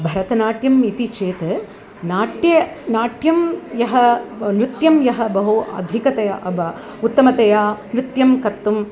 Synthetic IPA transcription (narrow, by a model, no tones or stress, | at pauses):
bʱɐɾɐt̪ɐnaːʈjɐmit̪it͡ʃeːt̪ɐ | naːʈjɐ | naːʈjɐmjɐɦɐnɾɪt̪jɐmjɐɦɐ̆bɐɦuʔɐ̰d̪ʱikɐt̪ɐjɐ̰ʔɐbɐ | ut̪ːɐmɐt̪ɐjaːnɾɪt̪jɐmkɐt̪ːum